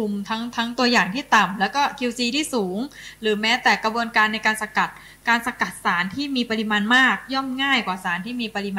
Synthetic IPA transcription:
u˧mt̪ʰa˦˥ŋt̪ʰa˦˥ŋt̪u˧ɐjaː˨˩ŋt̪ʰiː˥˩t̪a˨˩mlɛː˦˥wkɔː˥˩kʰi˧wsiː˧t̪ʰiː˥˩suː˩˦ŋɾɯː˩˦mɛː˦˥t̪ɛː˨˩kɾa˧bu˧ənkaː˧nːa˧jkaː˧nsa˧ka˨˩t̪̚ | kaː˧nsa˧ka˨˩t̪̚saː˩˦nt̪ʰiː˥˩miː˧pa˧ɾi˧maː˧nmaː˥˩k̚jɔ˥˩mŋaː˥˩jkwaː˨˩saː˩˦nt̪ʰiː˥˩miː˧pa˧ɾi˧maː˧

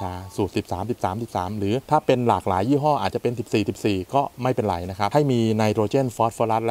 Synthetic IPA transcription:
aː˧˥suː˨˩t̪̚si˨˩p̚saː˩˦msi˨˩p̚saː˩˦msi˨˩p̚saː˩˦mɾɯː˩˦t̪ʰaː˥˩pe˧nlaː˨˩k̚laː˩˦jːiː˥˩ɦɔː˥˩ʔaː˨˩t̪̚t͡ɕa˨˩pe˧nsi˨˩p̚siː˨˩si˨˩p̚siː˨˩kɔː˥˩ma˥˩jpe˧nɾa̰˩jna˦˥kʰɾa˦˥p̚ha˥˩jmiː˧na˧jd̪ɾoː˧t͡ɕeː˥˩nfɔː˦˥t̪̚foː˧la˦˥t̪̚l

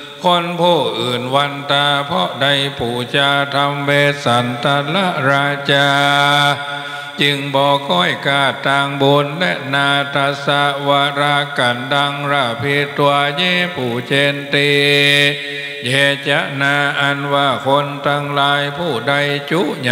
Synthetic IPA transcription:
kʰo˧˥npʰuː˧˩ʔɯː˨˩nwa˧nt̪aː˧pʰɔ˧˥da˧˩jpʰuː˨˩˦t͡ɕaː˧t̪ʰa˧mbeː˧t̪̚sa˨˦nt̪a˧la˧˥ʔɾaː˧t͡ɕaː˧ | t͡ɕɯ˧ŋbɔː˧kɔː˧˥˩jkaː˧˩t̪aː˧ŋbuː˧nlɛ˦˧˥naː˧t̪a˧sa˧˥waː˧ɾaː˧ka˨˦nda˧ŋɾa˧˩pʰi˧˥t̪u˧ajɛː˧˥˩pʰuː˨˩t͡ɕeː˧nt̪iː˧ | jɛː˧t͡ɕa˧˦˥ʔnaː˧ʔa˧nwaː˧˩kʰo˧nt̪aː˧ŋlaː˧jpʰuː˧˩da˧˨jt͡ɕu˦˥ɲa˧

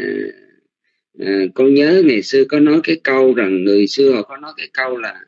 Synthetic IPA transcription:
ʔaː˨˩ | ʔəː˨˩kɔ˧nɲəː˨˦ŋa˨˩jsɨ˧əkɔ˨˦nɔ˨˦jkaː˨˦jkə˧wza˨˩ŋːɨ˨˩əjsɨ˧əhɔ˨˩kɔ˨˦nɔ˨˦jkaː˨˦jkə˧wlaː˨˩

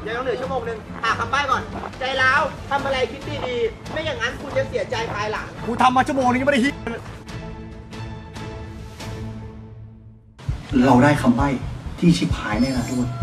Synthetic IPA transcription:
jaː˨˩jɔ˦˥nɯ˩˦t͡ɕʰu˥˩əmoː˧ŋnɯ˧ŋ | hʰaː˨˩kʰa˧mbaː˥˩jkɔ˨˩nt͡ɕa˧jlaː˦˥˩wt̪ʰa˧mʔa˧ɾa˧jkʰi˦˥t̪̚diː˧diː˧ | ma˥˩jaː˨˩ŋa˦˥nkʰu˧nja˧˩ŋsi˩˦ɐt͡ɕa˧jpʰaː˧jla̰ː˩˦ŋkʰuː˧nt̪ʰa˧mːaː˧t͡ɕʰu˥˩˨moː˧ŋnɯ˧˦˥da˥˩i˦˥˩n˥˩ | ɾa˧wdaː˥˩jkʰa˧mba˥˩jt̪ʰiː˥˩t͡ɕʰi˦˥pʰːaː˨˦jna˥˩naː˦˧˩u˥˩əj

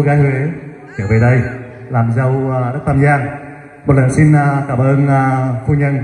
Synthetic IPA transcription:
ɣaː˨˦jhe˨˦ | ki˨˧˦wve˨˩ɗə˧j | laː˨˩mza˧wɗə˦˥k̚t̪ʰaː˧mzaː˧ŋ | mo˨t̚lə˨˩nsi˧nː˨kaː˧˩mʔəː˧nː˧˩fu˧ɲə˧n

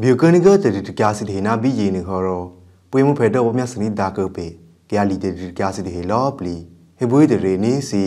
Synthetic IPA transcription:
bjo˨kə˦ni˦ɡə˦t̪ə˨di˨tə˨kja˧si˦t̪ə˨ɦe˨na˦˨bi˦˨je˨nɨ˨ɦɔ˨ɾɔ˨ | pwe˦mu˦pʰɛ˨dɔ˦˨wɔ˦mja˦˨sə˨nĩ˦d̪a˨kə˦˨pe˨ | kə˨ja˨˧li˨t̪ə˨i˨tka˨si˦t̪ə˨ɦe˨lɔ˦pli˨ | he˦bo˦i˦t̪ə˨ɾe˨ni˦si˨

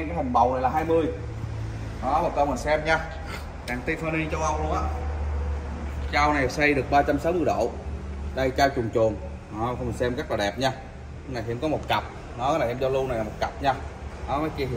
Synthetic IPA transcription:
ɛ˧ŋkaː˨˦jha˨˩ŋ̟ɓə˨˩wna˨˩jlaː˨˩ɦaː˧jmɨ˧əj | nɔ˨˦mɔ˨˩kə˧wŋ͡məː˨˩sɛ˧mɲaː˧ | kaː˨˩ŋt̪i˧fəː˧ni˧t͡ɕɔ˧wʔa˧wlu˧əŋʔaː˧˩ | t͡ɕaː˧wna˨˩jsa˧jɗɨ˨˩ək̚ɓaː˧t͡ɕa˧msaː˨˦wmɨ˧əjɗo̰˧˨ɗə˧jt͡ɕaː˧wt͡ɕu˨˩ŋt͡ɕu˨˩əŋː˨˧ | ə˧wsɛ˧mɣa˦˥k̚laː˨˩ɗɛ˨˩p̚ɲaː˧ | ŋna˨˩t̪ʰːŋ͡mkɔ˨˦mo˨˩t̚ka˨˩p̚ | nɔ˨˦laː˨˩ʔɛ˧mzɔ˧lu˧na˨˩jlaː˨˩o˨˩t̚ka˨˩p̚ɲaː˧nɔ˨˦mɔː˨˦jki˧˨˩

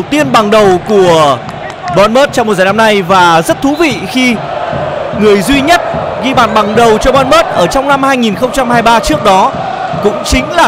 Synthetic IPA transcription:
wt̪i˧ənɓa˨˩ŋɗə˨˩wku˧˩ə | ɓɔ˧nməː˦˥t̚t͡ɕɔ˧ŋ͡mo˨˩t̚zaː˨˩na˧mna˧jvaː˨˩zə˦˥t̚t̪ʰu˨˦vḭ˧˨xi˧ | ŋɨ˨˩əjzwi˧ɲə˦˥t̚ɣi˧ɓaː˧˩nɓa˨˩ŋɗə˨˩wt͡ɕɔ˧ɓɔ˧nməː˦˥t̚ʔəː˧˩t͡ɕɔ˧wŋ͡mna˧mhaː˧jŋi˨˩nxə˧wŋ͡mt͡ɕa˧mhaː˧jɓaː˧t͡ɕɨ˦˥ək̚ɗɔ˨˦ | kʊ̰˧˥ŋ͡mt͡ɕï˨˦ŋ̟laː˨˩

